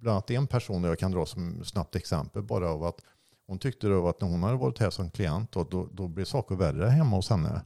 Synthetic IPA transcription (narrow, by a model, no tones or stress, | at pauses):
bland̪at̪dɛɛnpʰæʂuːnd̪ɛjaːkʰand̪ɾɑːsɔmsnap̚t̪ɛksɛmpəlbɑːɾaːvat̪ | hʊnt̪ʰʏk̚t̪əd̪ɛavat̪næɾhʊnhad̪əvɑːɾɪt̪hæːʂɔmkʰlɪɛnt̪̚d̪ɔd̪ɔd̪ɔblɪɾʂɑːkəɾværəɦɛmːaʊshɛnːə̰